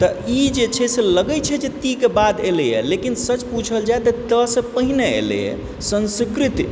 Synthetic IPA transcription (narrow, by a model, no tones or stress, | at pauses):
t̪ɔid͡ʒet͡ʃʰɛseləɡəjt͡ʃʰɛd͡ʒet̪ikebad̪elɛjɛ̰lekinsət͡ʃput͡ʃʰəld͡ʒaet̪ət̪əsẽpəɦineḛlɛ̰jɛ̰ | sə̃nskɾit̪i